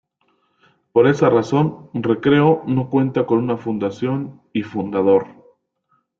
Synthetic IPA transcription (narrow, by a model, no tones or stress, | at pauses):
po̞ɾe̞saraso̞nre̞kɾe̞ono̞kwe̞nt̪ako̞nunafund̪asjo̞n | ifund̪aðo̞ɾ